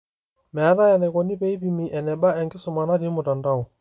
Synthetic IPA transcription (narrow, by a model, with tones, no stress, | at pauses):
mɛ˨a˨˦ɾa˦ja˨nɛ˨kɔ˨ni˦pe˦i˦pi˨mi˨ʔɛ˨nɛ˨ba˦ɛ˨ŋɡɪ˦sʊ˨ma˨na˦ɾi˦mʊ˨ta˨nda˦ɔ˨